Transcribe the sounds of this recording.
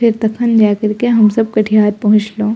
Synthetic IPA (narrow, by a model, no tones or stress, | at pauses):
ɪɾt̪ɐkʰənd͡ʒaːkɐɾkeɦɐmsɐb̚kɐʈʰijaːɾpɐɦʊ̃t͡ʃloː